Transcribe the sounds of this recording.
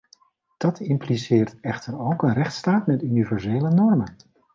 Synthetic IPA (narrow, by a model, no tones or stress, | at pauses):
d̥ɑtɪmplisɪːɹtɛχtəɹowkənrɛχtstaːtmɛtynivɛɹzejlənɔɹmən